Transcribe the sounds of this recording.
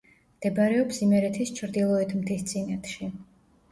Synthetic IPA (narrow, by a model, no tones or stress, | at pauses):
md̪̥ɛbaɾɛɔpsimɛɾɛt̪ʰist͡ʃʰɾd̪ilˠɔɛt̪ʰmt̪ʰist̪sʼinat̪ʰʃi